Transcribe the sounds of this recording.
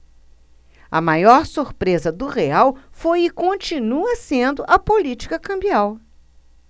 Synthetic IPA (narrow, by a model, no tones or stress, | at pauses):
ɐ̰majɔɾsuɾpɾezɐd̪ʊʁeawfojɪkõnt͡ʃinuɐsẽnd̪ʊʔɐpolit͡ʃi̥kɐkɐ̃mbiaw